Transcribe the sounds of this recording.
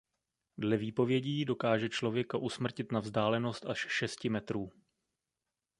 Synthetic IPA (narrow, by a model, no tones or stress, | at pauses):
dlɛviːpo̞vjɛɟiːdo̞kaːʒɛt͡ʃlo̞vjɛkaʔusmr̩cɪt̪navzdaːlɛno̞st̪aʃʃɛscɪmɛt̪ɾuː